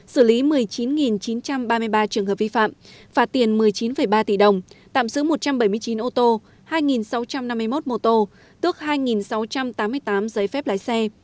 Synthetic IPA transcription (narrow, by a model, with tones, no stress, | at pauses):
sɨ˧˩li˨˦mɨ˨˩əjt͡ɕi˨˦nŋi˨˩nt͡ɕi˨˦nt͡ɕa˧mɓaː˧mɨ˧əjɓaː˧t͡ɕɨ˧˩əŋɦəː˨˩p̚vi˧fa̰ː˧˨mvaː˨˩t̪i˨˩ənmɨ˨˩əjt͡ɕi˨˦nfə˨˩jɓaː˧t̪i˧˩ɗə˨˩wŋ͡mt̪a̰ː˧˨msɨ̰˧˥mo˨˩t̚t͡ɕa˧mɓə˧˩jmɨ˧əjt͡ɕi˨˦nʔo˧t̪o˧ | haː˧jŋi˨˩nsa˨˦wt͡ɕa˧mna˧mːɨ˧əjmo˦˥t̚mo˧t̪o˧ | t̪ɨ˦˥ək̚haː˧jŋi˨˩nsa˨˦wt͡ɕa˧mt̪aː˨˦mːɨ˧əjt̪aː˨˦mzə˨˦jfɛ˦˥p̚laː˨˧˦jsɛ˧